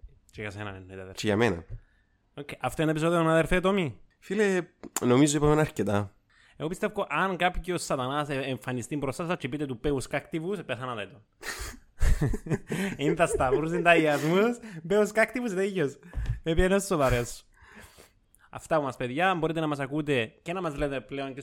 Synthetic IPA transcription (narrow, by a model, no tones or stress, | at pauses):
t͡ʃejɐsenɐ̰nenːet̪eðeɾt͡ʃejɐ̰menɐ̰ | okːejʔɐft̪oenepis̬oðionaðeɾfet̪omi | filenomizoipɐmnɐɾcet̪ɐ | eɣopist̪efkoʔɐnkapçiosːɐt̪ɐnɐseɱfɐnist̪impɾost̪ɐsɐt͡ʃipit̪et̪upeuskakt̪ivuspesɐnɐt̪ɐit̪on | ind̪ɐst̪ɐvuɾus̬ind̪ɐjiɐzmuspeuskɐkt̪ivusnɐijosmepienosːoðɐɾes | ɐ̰ft̪ɐpumɐspeðʝɐːmboɾit̪enɐmɐsɐkut̪̬e̞cenɐmɐzlet̪epleoɲke